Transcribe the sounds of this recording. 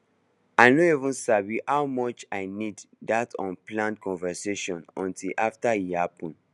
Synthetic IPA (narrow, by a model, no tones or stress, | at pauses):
aɪnoivũnsabihawmɔt͡ʃaɪnid | datɔ̃nplãntkɔ̃nvɛseʃɔ̃nɔ̃ntʰilʔaftaihapɔ̃n